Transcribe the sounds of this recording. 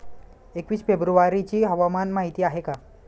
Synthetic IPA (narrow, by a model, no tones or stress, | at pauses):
ekʋiːsfebɾuʋaɾit͡ɕiːɦəʋamanmaɦit̪iːaɦeka